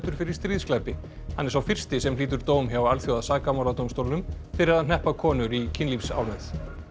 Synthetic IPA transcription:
t̪ʏɾ̥fɪɾɪɾ̥t̪ɾiːðsklapɪ | ha̰nːɛɾ̥sawfɪr̥st̪ɪsɛmliːt̪ʏɾt̪oːwmçjawalθjowaðsaːkamawlat̪owmst̪owlʏm | fɪɾɪɾaðnɛhpaðkʰɔːnʏɾicʰɪnlipsa̰ːwlmɛθ

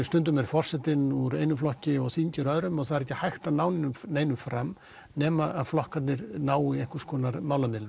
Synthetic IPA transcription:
st̪ʏnt̪ʏmɛɾfɔr̥sɛt̪ɪnuɾejnʏflɔhcɪɔɣsθiɲcɪɾœðɾʏmɔɣθaðɾɛhcːɪhajxt̪aðnaːwnɪnʏmneːjnʏmfɾamː | nɛːmaaðflɔhkat̪nɪɾnaːwiɛhkʏ̥skɔːnaɾmaːwlamɪlʏ

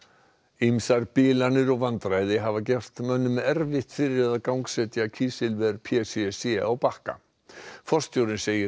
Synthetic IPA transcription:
imsaɾpɪːlanʏɾɔɣvant̪ɾajðɪɦavacɛr̥t̪mœnːʏmːɛɾvɪht̪fɪɾɪɾaðaðkawŋksɛt̪jacʰiːsɪlvɛɾpʰɛssɛɔɣpahka̰ | fɔr̥st̪jowɾɪnseːjɪ

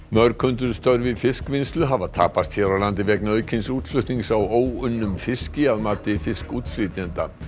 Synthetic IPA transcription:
mœɾkʰʏnt̪ʏɾst̪œɾvɪfɪskvɪnst̪lʏɦavaðt̪ʰa̰ːpast̪çɛːɾawlant̪ɪvɛknaœːɥcʰɪnsuːt̪flʏht̪niŋksawoːwʏnːʏmfɪscɪaðmaːt̪ɪfɪskuːt̪fɾiːt̪ɛnt̪a

